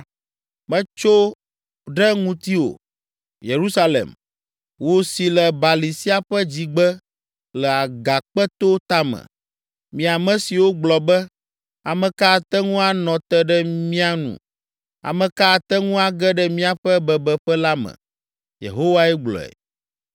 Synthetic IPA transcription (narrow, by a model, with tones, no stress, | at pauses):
mɛ̃˦t͡ʃo˦ | ɖɛ˦ŋũ˦t̪i˦wo̰˨ | je˨ɾu˦sa˦lḛ˨m | wo˦si˨lɛ˨ba˨li˨si˦a˦ɸɛ˦d͡ʑi˨ɡ͡bɛ˦ | lɛ˨a˨ɡa˨k͡pɛ˦t̪o˦t̪a˦mɛ̰̃˨ | mĩ˨a˨mɛ̃˨si˨wo˦ɡ͡blɔ˨bɛ˦ | a˨mɛ̃˨ka˦˨t̪ɛ˦ŋũ˦a˦nɔ̃˨t̪ɛ˦ɖɛ˦mĩ˦a˦nṵ̃˨ | a̰˨mɛ̃˨ka˦˨t̪ɛ˦ŋũ˦a˨ɡɛ˦ɖɛ˦mĩ˦a˨ɸɛ˦bɛ˨bɛ˨ɸɛ˦la˦mɛ̰̃˨ | jḛ˨ɦo˦wa˦ɛ˦ɡ͡blɔ̰˨ɛ̰˨